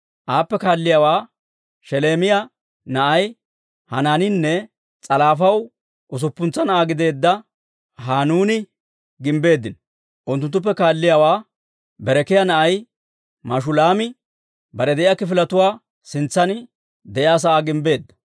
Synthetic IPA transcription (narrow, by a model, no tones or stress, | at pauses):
ʔaːpːɛkaːlːɪjaːwaː | ʃɛleːmɪja | nɐʔɐj | hɐnaːnɪnːɛ | t͡sʼɐlaːfɐw | ʔʊs̬ʊpːʊnt͡sːɐnɐʔaːɡɪd̪e̞ːd̪ːɐ | ɦaːnuːnɪ | ɡɪmbe̞ːd̪ːɪn | ʔʊnt̪ːʊnt̪ːʊp̬ːɛkaːlːɪjaːwaː | bɛɾɛkɪjanɐʔɐj | mɐʃ̬ʊlaːmɪ | bɐɾɛd̪ɛʔɪjaːkːɪfɪlɐt̪ʊwaː | sɪnt͡sːɐnɪ | d̪ɛʔɪaːs̬ɐʔaːɡɪmbe̞ːd̪ːɐ̥